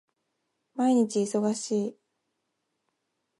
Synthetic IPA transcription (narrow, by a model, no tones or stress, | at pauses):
maiɲ̟it͡ɕiːso̞ɡaɕiː